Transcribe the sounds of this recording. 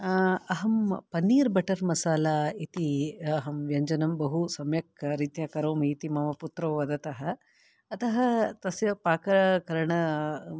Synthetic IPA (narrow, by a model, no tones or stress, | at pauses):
ɐɦɐmpɐnːiːɾbɐʈɐɾmɐsaːlaːit̪iɐɦɐmʋjɐɲd͡ʒɐnɐmbɐɦusɐmjɐk̚ɾit̪jaːkɐɾoːmiːt̪imɐmɐput̪ɾɐʋʋɐd̪ɐt̪ɐɦɐ | ɐt̪ɐɦɐt̪ɐsjɐpaːkɐɾɐkɐɾɐɳɐ